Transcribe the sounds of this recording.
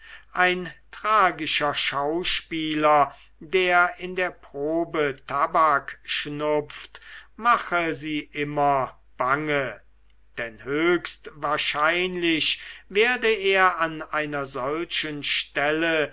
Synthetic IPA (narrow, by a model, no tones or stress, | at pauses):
ʔaɪntʁ̥aːɡɪʃɐʃaʊʃpiːlɐ | deːɐɪndeːɐpʁ̥oːbətʰabakʃnʊp͡ftmaχəziːʔɪmɐ | b̥aŋə | d̥ɛnhøːkstvaːɐʃaɪnlɪɕveːɐdəeːɐanaɪnɐzɔlʃənʃtɛlə